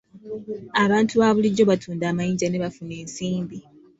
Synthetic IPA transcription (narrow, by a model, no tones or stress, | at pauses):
aβaːntʰuβaːβuliɟːo̞βatʰuːndaːmajiːɲɟane̞βafune̞ːnsiːmbi